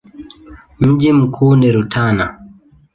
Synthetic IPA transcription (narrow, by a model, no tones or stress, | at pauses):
m̩ʄim̩kʰuːniɾutʰana̰